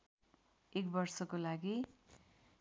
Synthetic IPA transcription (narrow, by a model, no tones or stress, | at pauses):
ekbʌrsʌkolaɡi